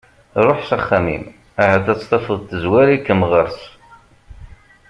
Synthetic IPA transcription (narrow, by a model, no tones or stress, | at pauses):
ɾˤoħsæχːæmḭm | æhæd̪æt͡sːt̪ˤɑfəðˤt̪ːəzwæɾikːəmʁəɾs